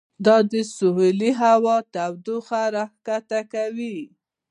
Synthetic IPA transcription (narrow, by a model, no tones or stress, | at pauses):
d̪ɑd̪əsʊɦuliɦawɑt̪awd̪uxaɾɑhkat̪akawi